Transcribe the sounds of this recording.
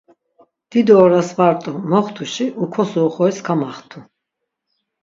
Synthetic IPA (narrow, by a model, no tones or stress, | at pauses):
d̪̥id̪ɔːɾasvaɾt̪ʼɔmɔχt̪ʰuʃiʔukʰɔsɔːχɔɛskʰamaχt̪ʰu